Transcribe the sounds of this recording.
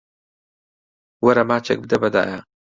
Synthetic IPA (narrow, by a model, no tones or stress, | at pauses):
wɐɾɐmaːt͡ʃʰḛk̚bɨd̪ɐbɐd̪a̰ːjɐ